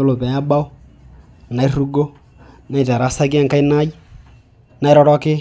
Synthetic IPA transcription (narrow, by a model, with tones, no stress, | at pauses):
o˦lo˨pɛ˨ja˦ba˦o˦ | na˨i˦ru˦ɡo˦ | na˨i˨ta˨ɾa˨˦sa˦ka˦ŋka˦i˦na˦i˦ | na˨ɛ˦ɾɔ˦ɾɔ˦kɪ˦